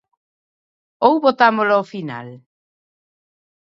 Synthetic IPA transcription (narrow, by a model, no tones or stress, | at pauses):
owβot̪amolaofina̰l